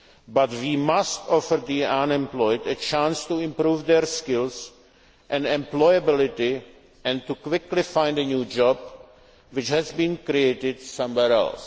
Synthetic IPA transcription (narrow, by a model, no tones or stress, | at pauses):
batwiːmastɔfəɾd̪iãnɛ̃mplɔjdɛt͡ʃãnst̪uɪ̃mpɾuːvd̪ɛɾskɪls | ʔɛ̃nɛ̃mplɔjabɪlɪt̪ɪ | ʔɛ̃nt̪ukwɪklɪfãj̃ndənjuːd͡ʒɔb | wɪt͡ʃɦɛzbĩːnkɾieɪtɪdsãmwɛɾɛ̰ls